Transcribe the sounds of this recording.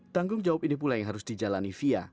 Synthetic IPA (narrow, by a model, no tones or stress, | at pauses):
t̪aŋɡʊŋd͡ʒawap̚inip̬ulajaŋɦaɾʊsd̥id͡ʒalanifia